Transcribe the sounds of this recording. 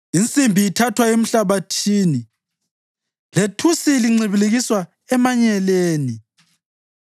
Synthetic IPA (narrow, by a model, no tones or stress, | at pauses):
int͡sʼimbʱiːtʰatʰwaem̩ɬaβatʰiːni | letʰusiliŋ͡ǀʱiβileɣiswa | ɛmaɲɛleːni